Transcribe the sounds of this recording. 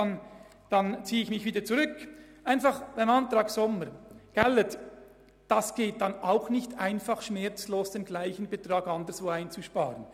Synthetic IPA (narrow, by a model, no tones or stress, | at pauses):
an | d̥ɑnt͡siːəɪçmɪçv̥iːdət͡suʁʏk | ʔaɪnfɑχvɛɪnɑntɾɑːɡsɔməɾɡ̥ɛlət | d̥ɑsɡ̥eːt̚d̥ɑnaʊxnɪçtʰaɪnfɑχʃmɛɾt͡sloːsd̥eːnɡlaɪçən̩betʁɑːɡɑndəsvoːaɪnt͡suʃpɑːɾən